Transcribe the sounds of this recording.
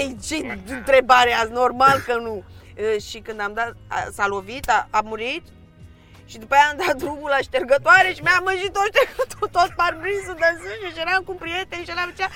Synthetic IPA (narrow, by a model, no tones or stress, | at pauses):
ejt͡ʃeɨnt̪ɾe̞baɾeasnormalkənuəʃikɨnd̪amd̪at̪salo̞vit̪aːmuɾit̪ | ʃid̪upajaːmd̪at̪̚d̪ɾumulaʃt̪erɡət̪oaɾeʃimeaməʒit̪ːoʃt̪eɡət̪ot̪ot̪̚parbɾisud̪əzuʃeʃeɾamkumpɾije̞t̪enʃeɾamet͡ʃea